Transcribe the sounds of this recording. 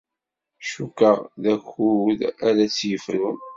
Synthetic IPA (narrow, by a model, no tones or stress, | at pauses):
ʃukːəʁðæçuðæɾæt͡sːjəfəɾʊn